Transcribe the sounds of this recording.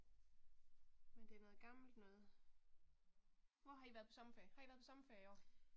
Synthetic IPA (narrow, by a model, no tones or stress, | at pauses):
mend̥e̝æɐnɔ̽ːð̩ˠɡ̥ɑ̈ml̩d̥nɔ̽ːð̩ˠ | ʋɒɦɑ̥̈iʋæɐð̩ˠʰɒ̽sɒ̽mfɛhɑ̈iæɐðˠʰɒ̽sɒ̽mfɛɐiɒ̰ː